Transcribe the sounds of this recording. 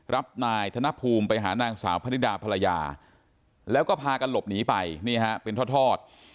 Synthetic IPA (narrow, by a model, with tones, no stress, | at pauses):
ɾʔa˦˥p̚naː˧jt̪ʰa˧na˦˥ʔpʰuː˧mpa˧jɦa̰ː˩˦naː˧ŋsaː˩˦wpʰa˧ni˦˥daː˧pʰa˧la˧ja̰ː˧ | lɛː˦˥wkɔː˥˩pʰaː˧ka˧nlo˨˩p̚niː˩˦pa˧jniː˥˩ɦa˦˥ʔpe˧nt̪ʰɔː˥˩t̪ʰɔː˥˩t̪̚